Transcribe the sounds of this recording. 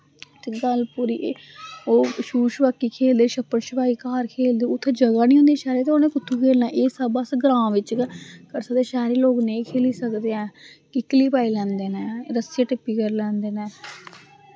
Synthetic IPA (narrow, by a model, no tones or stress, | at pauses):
t̪ɡəlpuːɾiː | oːʃuːʃpaːkːiːkʰeːld̪eːʃəpːəɳʃəpaːiːkaːɾkʰeːld̪eːʊt̪ʰːeːd͡ʒəɡaːniːɦõnd̪iãːʃaːɾeːt̪eoːnẽːkʊt̪ʰːuːkʰeːlnaːʔeːsəbəsɡɾãːʋɪt͡ʃkəɾsəd̪eːʃaːɾiːloːkneĩːkʰeːliːsəkd̪eːãːkɪkliːpaːiːlɛ̃ːnd̪eːnɛːɾəseːʈɪpːiːkəɾlɛ̃ːnd̪eːnɛː